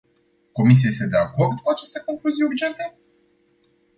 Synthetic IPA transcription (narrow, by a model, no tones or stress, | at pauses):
ko̞mis̬iaje̞st̪e̞d̪e̞ako̞rd̪kuat͡ʃe̞st̪e̞ko̞nfuzijurd͡ʒe̞nt̪e̞